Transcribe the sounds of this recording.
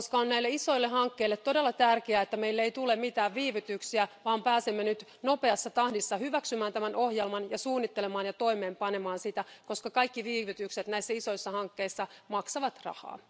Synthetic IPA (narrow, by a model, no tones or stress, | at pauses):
koskɑonnæilːeiso̞jlːehɑŋkːeilːet̪t̪ːo̞delːɑt̪ærkeæet̪ːæmeilːeit̪ule̞mmit̪æːʋʋiːʋyt̪yksiæʋɑːmpæːsemːenyt̪no̞pe̞ɑsːɑt̪ɑhdisːɑhyʋæksymæːnt̪æmænʔo̞hjelmɑnjɑsuːnːit̪ːelemɑːnjɑt̪o̞ime̞ːmpɑnemɑːnsit̪æko̞skɑkɑikːiʋiːʋyt̪ykset̪næisːæiso̞isːɑhɑŋkːeisːɑmɑksɑʋɑt̪rɑ̰hɑ̰ː